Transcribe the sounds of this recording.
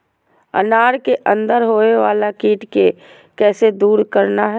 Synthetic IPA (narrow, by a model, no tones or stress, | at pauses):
ɐ̰naːɾkeʔə̃nd̪əɾɦoːeʋaːlakiːʈke | kɛːsed̪uːɾkəɾnaɦɛː